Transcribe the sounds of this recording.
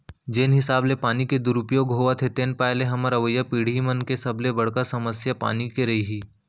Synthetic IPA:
d͡ʒeːnɦɪsaːblepaːniked̪ʊɾʊpijõɡʱoːʋat̪ʰet̪eːnpaːleɦɐməɾɐʋəjːapiːɽ̤imənkesɐblebɐɽ̤kasɐməsjapa̰ːnikeɾɐɦiɦiː

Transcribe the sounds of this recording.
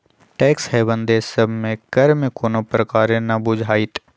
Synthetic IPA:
ʈɛːkshɛbə̃nd̪esəbʱmẽkɐɾmẽkoːnopɾɐkaːɾenɐbʊd͡ʒʱaːɪt̪

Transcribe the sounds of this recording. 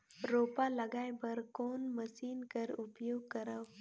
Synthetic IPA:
ɾoːpalɐɡaːjbɐɾkoːnməsiːnkəɾʊpjoːɡ̚kɐɾəw

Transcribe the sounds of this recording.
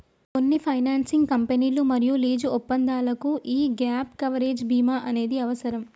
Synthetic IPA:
ko̞nːipʰɐjnaːnsiŋɡkɐmpeniːlumɐɾijuliːd͡ʒuɔpːɐnd̪aːlɐkuʔiːɡaːpkɐʋɐɾeːd͡ʒbʱiːmaːʔɐne̞ːd̪iɐʋɐsɐɾɐm

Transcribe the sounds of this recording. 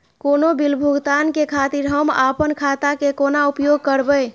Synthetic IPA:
konobilbʱuɡt̪ankekʰat̪iɾɦəma̰pənkʰat̪akekonaupjoɡ̚kəɾbəj

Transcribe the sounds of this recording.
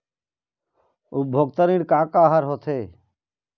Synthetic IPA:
ubʱoɡ̚t̪əɾiːɽkaːkaːɦəɾɦot̪ʰeː

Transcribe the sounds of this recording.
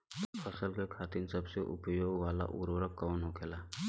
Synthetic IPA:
t̪pʰɐsəlkekʰaːt̪insɐbseʔʊ̰pjoːɡʋaːla̰ʔṵɾʋəɾəp̚kənɦoːkʰeːlaː

